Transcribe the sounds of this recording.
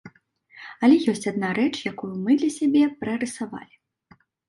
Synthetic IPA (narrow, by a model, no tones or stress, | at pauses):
ɐlʲɛjɔsʲt͡sʲad̪̚naɾɛt͡ʂjakujumɨd̪lʲɐsʲabʲɛpɾɨɾɨsava̰lʲi